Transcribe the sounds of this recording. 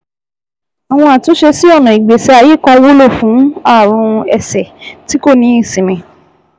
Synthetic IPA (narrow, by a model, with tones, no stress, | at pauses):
a˨w̃ɔ̃˧a˨to˨˦ʃe˧si˦ɔ˦˨nã˨i˨ɡ͡be˨sɛ˨˧a˧je˦˨kɔ̃˧wo˦lo˦˨fũ˨˦a˦˨ɾ̃ũ˧ɛ˧˨sɛ˨ti˦ko˦˨nĩ˨˦ĩ˦˨sĩ˨mĩ˨˦